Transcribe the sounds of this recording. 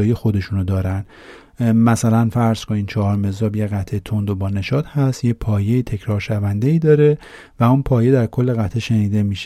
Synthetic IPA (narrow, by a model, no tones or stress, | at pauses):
jijexo̞d̪e̞ʃunod̪ɒːɾænd̪ | mæsælænfæɾz̥ko̞niːd̪t͡ʃʰɒːhɒːɾme̞zɒːbjeɣæt̪ʰet̪ʰo̞nd̪obɒːne̞ʃɒːd̪hæst̪jepʰɒːje̞it̪ʰe̞cʰɾɒːɾʃævænd̪eiːd̪ɒːɾe̞ | væunpʰɒːje̞d̪æɾkʰo̞lːeɣæt̪ʰeʃe̞niːd̪e̞miːʃ